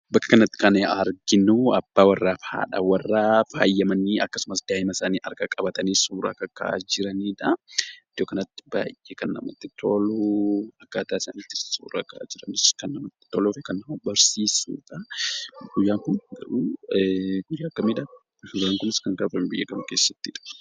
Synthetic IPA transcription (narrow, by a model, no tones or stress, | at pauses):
bɐkːɐ̥kɐnɐt̪ːɪ̥kɐneɐɾɡɪnuɐbːaːwɐrːaːfha̰ːᶑa̰ːwɐrːaːfa̰ːjːɐmɐniɐkːɐ̥sʊmɐsd̪aːɪmɐsaːniːʔɐɾɡɐkʼɐbɐt̪ɐnisuːɾa̰ːkɐkːa̰ːd͡ʒɪɾɐniːᶑɐɪd̪̥joːkɐnɐt̪ːɪ̥ba̰ːjʔekɐnːɐ̰mɐt̪ːɪt̪ʰoːluɐkːaːt̪aːɪsaːniːt̪ːɪ̥sṵːɾaka̰ːd͡ʒɪɾɐnɪskɐnːɐmɐt̪ːɪ̥t̪ɔːlofɛkɐnːɐmɐbɐɾsiːsṵːᶑɐ | ɡ̥ʊjːaːŋkʊnɡɐɾuː | ɡʊjːaːkːɐmiːᶑɐ | ɡaːŋkʊnɪskɐŋkɐfɐmbɪjːɐkɐmɐke̞ːsːɐ̥t̪ːiᶑɐ̥